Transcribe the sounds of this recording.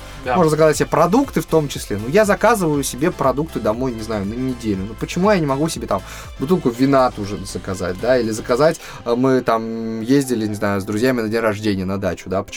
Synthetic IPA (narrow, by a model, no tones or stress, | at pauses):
moʐnəzəkɐzatʲsʲɪbʲepɾɐd̪ukt̪ɨft̪o̞mt͡ɕɪsʲlʲenujazɐkazɨvəjʊsʲɪbʲe̞pɾɐd̪uk̚t̪ɨd̪ɐmo̞jnʲɪznajʊnənʲɪdʲelʲnʊnupət͡ɕɪmujanʲɪmɐɡusʲɪbʲe̞t̪am | bʊt̪ɨlˠkʊvʲɪnat̪uʐɨz̥əkɐza̰t̚ʲd̪ailʲɪzəkɐzatʲ | mɨt̪amjezʲdʲɪlʲɪnʲɪznajʊzd̪ɾʊzʲjamʲɪnɐdʲenʲrɐʐdʲenʲɪjənɐd̪at͡ɕʊd̪apə̥